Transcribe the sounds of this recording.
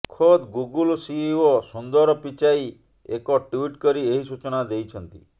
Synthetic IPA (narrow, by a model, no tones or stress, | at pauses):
kʰod̪ɡuɡulsiɔsund̪ɔɾɔpit͡ʃai | ekɔʈuiʈkɔɾieɦisut͡ʃɔnad̪ejt͡ʃʰɔnt̪ḭ